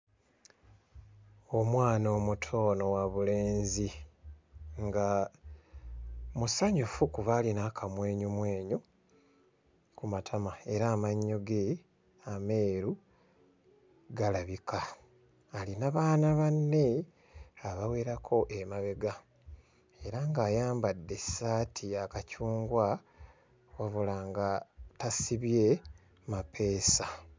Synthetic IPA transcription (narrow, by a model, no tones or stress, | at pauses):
omwaːno̞mutʰo̞ːno̞waβuleːnzi | ŋɡa | musaɲufukuβalinakʰamwe̞ːɲumwe̞ːɲu | kumatʰamae̞ɾaːmaɲːoɡe̞ | ame̞ːɾu | ɡalaβikʰaː | linaβaːnaβanːe̞ | aβawe̞ɾakʰo̞ʔemaβe̞ɡa | e̞ɾaŋɡaːjaːmbadːe̞saːtʰiakacuːŋɡwa | waβulaŋɡatasiβje̞ | mapʰe̞ːsa